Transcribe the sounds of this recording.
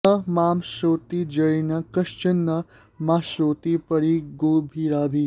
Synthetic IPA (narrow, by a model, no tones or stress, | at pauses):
ɐmaːmʃɾoːt̪id͡ʒɐjnɐkɐʃt͡ʃɐnːɐ | maʃɾoːt̪ipɐɾiɡoːbʱiɾaːbʱi